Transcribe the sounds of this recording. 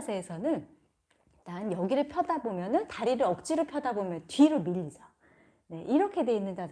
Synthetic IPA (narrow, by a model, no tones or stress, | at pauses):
sʰeːsʰʌnɯn | taɯnjʌɡiɾɯɭpʰjʌdabomjʌnɯntaɾiɾɯʌk̚t͡ɕ͈iɾɯɭpʰjʌdabomjʌntɥiɾɯmiʎːid͡ʑʰʌ | ne̞ʔiɾʌkʰe̞dwe̞inːɯndad